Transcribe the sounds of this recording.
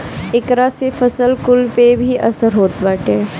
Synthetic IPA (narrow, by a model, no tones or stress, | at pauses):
ɪkɾasefʰəsəlkʊlpebʱiʔɐsəɾɦoːt̪baːʈeː